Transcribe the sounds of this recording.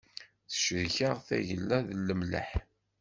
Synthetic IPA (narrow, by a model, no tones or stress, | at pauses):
θə̥ʃɾçaʁθæ̰ʝəlːæðlːəmlə̰ħ